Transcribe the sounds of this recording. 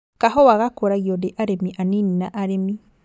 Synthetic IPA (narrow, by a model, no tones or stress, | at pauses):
kaɦɔwaɣakoɾaɣjɔdeʔaɾemiʔanininaʔaɾemi